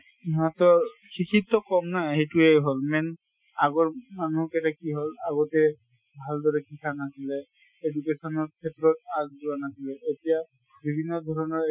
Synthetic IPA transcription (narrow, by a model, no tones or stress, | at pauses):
natɔɹkʰikʰitːɔkɔmnaɦejtuɛɦolmɛn | aɡɔɹmanuɦɔketakiɦolaɡɔtɛ | bʱaldɔɹɛkʰikʰanasilɛ | edukesɔnɔɹkʰetɹɔt̚azduwanasilɛetija | bʱibʱinːɔd̪ʱɔɹɔnɔɹ